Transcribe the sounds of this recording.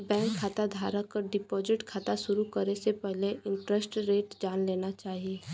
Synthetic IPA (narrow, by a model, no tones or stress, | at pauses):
bɛ̃ːŋkʰːaːt̪ad̪ʱaːɾakəɾɖɪpɔːzɪʈkʰaːt̪asʊɾukɐɾesepɛɦleɪ̃mpɾɛsʈɾeːʈd͡ʒaːnleːnat͡ʃaːɦieː